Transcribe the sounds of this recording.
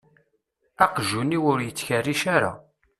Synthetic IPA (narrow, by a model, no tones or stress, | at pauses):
æqʒunːiwʊɾjət͡sːçərːiʃaɾa̰